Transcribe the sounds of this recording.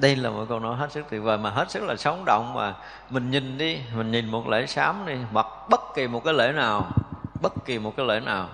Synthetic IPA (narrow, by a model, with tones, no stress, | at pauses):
ɗə˧jlaː˨˩mɔ̰˧˨˥ko˧wnɔ˨˦jɦe˦˥t̚sɨ˦˥k̚t̪ʰi˨˧˩vəː˨˩maː˨˩ɦe˦˥t̚sɨ˦˥k̚laː˨˩sə˨˦wŋ͡mɗɔ̰˧˨wŋ͡mmaː˨˩ | mï˨˩ŋ̟ɲi˨˩ŋɗi˧mï˨˩ŋ̟ɲi˨˩nmo˨˩t̚lḛ˧˩˦saː˨˦mɗi˧hwa˨˩k̚ɓə˦˥t̚ki˨˩mo˨˩t̚kaː˨˦jlḛ˧˩˦naː˨˩wɓə˦˥t̚ki˨˩mo˨˩t̚kaː˨˦jlḛ˧˩naː˨˩w